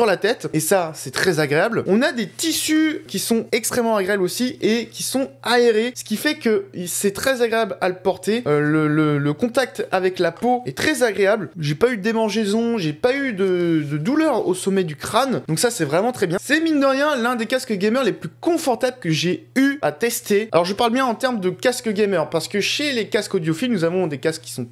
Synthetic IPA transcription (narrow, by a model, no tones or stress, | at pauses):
yʁlat̪ɛt̪esasɛt̪χɛzaɡʁeablɔ̃nad̪et̪isykʲisɔ̃ɛkst̪χɛmːɑ̃aɡʁeablosiekʲisɔ̃aeʁesə̥kʲifɛkəisɛt̪χɛzaɡʁeablaləpɔʁt̪eølələləkɔ̃t̪ak̚t̪avɛklapoɛt̪χɛzaɡʁeablʒepayd̪emɑ̃ʁʒezɔ̃ʒepayd̪əd̪əd̪ulœʁosɔmɛd̪ykχand̪ɔ̃ksasɛvʁɛmɑ̃t̪χɛbjɛ̃sɛmind̪əʁjɛ̃lɛ̃d̪ekaskəɡʲɛmœʁleplykɔ̃fɔʁt̪abləkəʒeyat̪ɛst̪ea̰lɔʁʒəpaʁlbjɛ̃ɑ̃t̪ɛʁmd̪əkaskəɡʲɛmœʁpaʁsə̥kəʃelekaskɔd̪jɔfilnuzavɔ̃d̪ekaskkːi̥sɔ̃